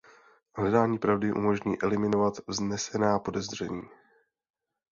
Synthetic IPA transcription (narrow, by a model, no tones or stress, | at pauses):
ɦlɛdaːɲiːpɾavdɪʔṵmo̞ʒɲiːʔɛlɪmɪno̞vat̪vznɛsɛnaːpo̞dɛzr̝ɛɲiː